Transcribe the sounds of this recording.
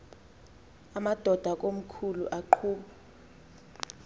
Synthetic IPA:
amad̥ʱɔd̥ʱak̬ʼom̩kʰulṵʔaǃʰuːɓa

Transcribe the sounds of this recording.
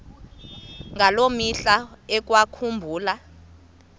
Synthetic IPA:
ŋʱalomiɬaɛk̬wakʰumbʱuːla

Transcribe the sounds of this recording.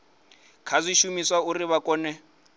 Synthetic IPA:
kʰazʷiʃumiswauriβakʼɔːnɛ

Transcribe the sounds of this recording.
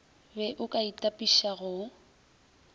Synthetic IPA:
bɛʔʊkʼaitʼapʼiʃaɣʊ

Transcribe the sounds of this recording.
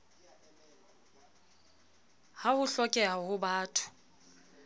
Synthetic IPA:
hahʊɬɔkʼɛɦahʊbaːtʰʊ̥

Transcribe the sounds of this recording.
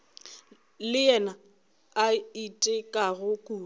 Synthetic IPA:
lɪjɛna | aitʼɪkʼaɣʊkʼuː

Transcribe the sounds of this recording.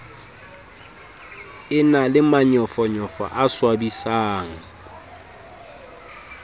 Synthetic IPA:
ɪnalɪmaɲɔfɔɲɔfɔ̰ʔaswabisaːŋ̩

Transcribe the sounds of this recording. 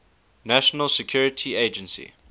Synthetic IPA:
næʃənəlsɛkʰj̥uɹɪtʰieɪd͡ʒə̃nsḭ

